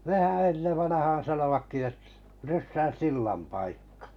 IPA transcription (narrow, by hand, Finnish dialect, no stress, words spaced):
nehæ enːeʋ ʋɑnɑhɑːn̞ sɑnoʋɑkːi et rysːæn̞ silːɑm pɑikːɑ̥